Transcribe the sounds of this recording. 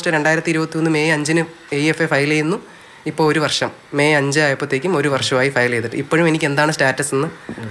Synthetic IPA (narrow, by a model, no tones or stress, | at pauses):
sʈːɨɾe̞ɳɖaːjiɾɐt̪ːiɾubɐt̪ːijo̞nːɨme̞ːɐɲd͡ʑinɨ | eefefɐjlejunːu | ipːoːɭoɾuʋɐrʂɐmːe̞ɐɲd͡ʑɨajɐpːɐt̪ːe̞ːkʲːumo̞ɾuʋɐrʂɐmaːjifɐjlejt̪ːiʈːɨipːoɻume̞nikʲːe̞nd̪aːɳɨstaːtːɐsenːɨ